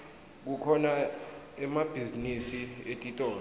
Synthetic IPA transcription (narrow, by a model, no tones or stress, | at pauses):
k̬ukʰɔna | ɛmab̥ʱizinisietʼitʼɔː